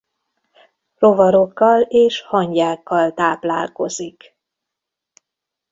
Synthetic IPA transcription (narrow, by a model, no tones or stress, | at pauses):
rovɒɾo̞kːɒleːʃhɒɲɟaːkːɒlt̪aːpla̰ːlko̞zik